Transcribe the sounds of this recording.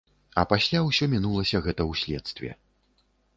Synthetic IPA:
ɐpasʲlʲawsʲɔmʲinulˠɐsʲɐɣɛt̪ɐwsʲlʲɛt̪st̪vʲɛ̰

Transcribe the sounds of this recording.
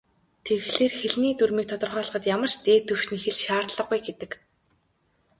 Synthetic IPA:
t̪ʰeɣɮeːrxeɮniːt̪urmiːk̚t̪ʰɔt̪ɞ̆rχœːɮə̆χə̆t̪jamə̆r̥ʃt̪eːt̪ʰɵwʃnixɘ̆ɮʃaːrt̪ɮə̆qujɡet̪ɘ̆k

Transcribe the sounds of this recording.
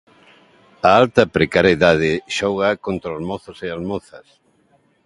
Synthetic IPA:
aalt̪ɐpɾekaɾeðað̞ɪʃɔɣɐkont̪ɾaolmoθʊsealmoθɐs

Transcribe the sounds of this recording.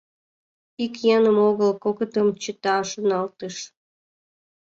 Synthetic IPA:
ikjɑnəmoɣəlkokət̪əmt͡ɕət̪ɑʃənɑlt̪əʃ

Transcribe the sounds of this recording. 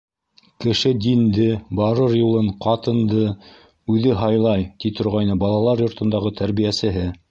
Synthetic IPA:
kɘ̆ʃɘd̪ind̪ɘbɑɾɤɾjulˠɤɴqɑt̪ɤ̆nd̪ɤ | ʉðɘɦɑjlˠɑjt̪it̪ʰŏɾʁɑjnɤbɑlˠɑlˠɑɾjŏɾt̪ɤ̆nd̪ɑʁɤt̪ʰæɾβijæsɘ̆ɦɘ

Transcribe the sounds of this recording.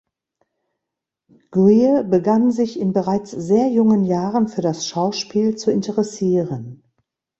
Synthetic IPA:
ɡ̥ʁiəbəɡanzɪçɪnbəʁaɪt͡sz̥eːɐjʊŋənjaːʁənfyːɐɾasʃaʊʃpiːlt͡suɪntəʁɛsiːʁən

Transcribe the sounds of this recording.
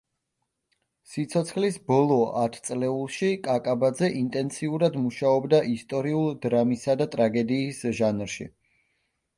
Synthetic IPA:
sit̪sʰɔt̪sʰχlisbɔlˠɔat̪ʰt̪sʼlɛulˠʃikʼakʼabad̪zɛʔint̪ʼɛnt̪sʰiuɾad̪muʃaɔbd̪aʔist̪ʼɔɾiulˠd̪ɾamisad̪at̪ʼɾaɡɛd̪iːsʒanɾʃḭ

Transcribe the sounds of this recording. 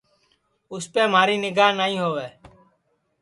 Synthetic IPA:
ʊspeːmaːɾiːnɪɡaːɦnaːĩːɦoːʋeː

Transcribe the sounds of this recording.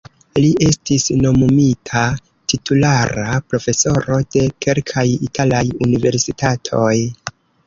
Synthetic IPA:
liʔe̞stisno̞momitʰa | titʰulaɾapɾo̞fe̞so̞ɾo̞d̥e̞ke̞lkʰajitʰalajunive̞ɾsitʰatʰo̞j

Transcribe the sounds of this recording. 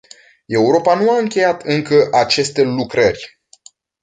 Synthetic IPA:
e̞uɾo̞panuaɨŋkʲe̞jat̪ɨŋkəʔat͡ʃe̞st̪e̞lukɾərʲ

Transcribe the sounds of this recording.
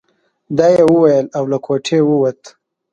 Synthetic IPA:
d̪aːjewəwajəlawlakʰoʈʰewəwat̪

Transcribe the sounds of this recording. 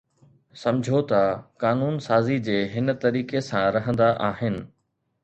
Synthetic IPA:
sɐ̃md͡ʑʱot̪ɐkaːnuːnsaːzid͡ʑeːɦɪnt̪ɐɾiːkesãɾɐɦə̃nd̪aʔaːɦɪnɪ̆

